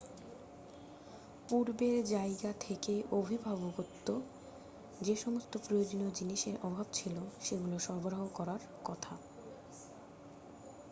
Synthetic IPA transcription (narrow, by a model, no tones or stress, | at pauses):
puɾbeɾd͡ʑaeɡat̪ʰekeʔobʱibʱaboɡot̪ːo | d͡ʑeʃɔmost̪opɾojod͡ʑonod͡ʑiniʃeɾʔɔbʱabt͡ɕʰiloʃeɡuloʃɔɾboɾaɦokɔɾaɾ | kɔt̪ʰa